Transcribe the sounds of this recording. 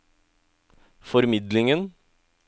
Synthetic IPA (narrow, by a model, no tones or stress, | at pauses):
fɔɾmɪd̪lɪŋən